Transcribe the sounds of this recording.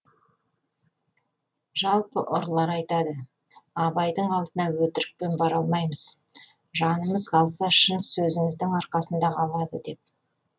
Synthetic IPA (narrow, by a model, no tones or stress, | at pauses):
ʒɑlˠpəʔʊɾlˠɑɾɑjt̪ɑd̪ə | ɑbɑjd̪əɴɑlˠd̪ənɑwɵt̪ɪɾɪk̚pe̞nbɑɾɑlˠmɑjməz̥ | ʒɑnəməzqɑlˠsɑʃənsɵzɪmɪzd̪ɪŋɑɾqɑsənd̪ɑqɑlˠɑd̪əd̪e̞p̚